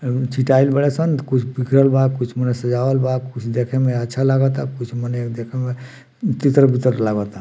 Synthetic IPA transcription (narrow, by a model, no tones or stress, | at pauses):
t͡ʃʰiʈailbəɽesənkut͡ʃʰbikʰɾəlbakut͡ʃʰmənəsə̃d͡ʒabəlbakut͡ʃʰd̪ekʰemeətːʃʰalaɡət̪akut͡ʃʰmənekd̪ekʰeme | t̪it̪ɾəbit̪əɾlaɡət̪a